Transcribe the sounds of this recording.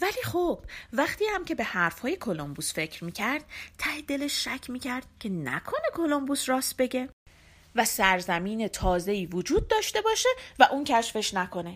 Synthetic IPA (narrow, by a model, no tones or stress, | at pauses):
væliːxob̥væχt̪ʰiːhæmcʰe̞be̞hæɾfhɒːje̞kʰo̞lombuːsfe̞cʰɾmiːcʰæɾd̪̥̚t̪ʰæhed̪e̞leʃːæcʰmiːcʰæɾd̪̥̚cʲʰe̞næ̰kʰo̞ne̞kʰo̞lombusrɒːst̪̚be̞ɟe̞ | væsæɾzæmiːne̞t̪ʰɒːze̞iːvod͡ʒuːd̪̚ːɒːʃt̪e̞bɒːʃe̞væʔuːncʰæʃfe̞ʃnækʰo̞ne̞